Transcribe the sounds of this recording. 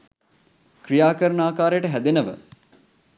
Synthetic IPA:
kɾijaːkəɾəɳaːkaːɾəjəʈəɦæd̪enəʋə̰

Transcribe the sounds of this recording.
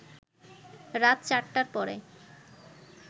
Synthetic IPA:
ɾat̪t͡ɕaʈːaɾpɔɾḛ

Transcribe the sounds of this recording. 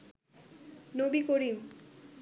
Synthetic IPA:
nobikoɾim

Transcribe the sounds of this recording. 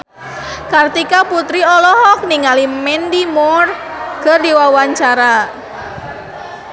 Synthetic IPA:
kart̪ikaput̪ɾiɔlɔɦɔk̚niŋalimɛndimɔrkərdiwawaɲt͡ʃaɾa

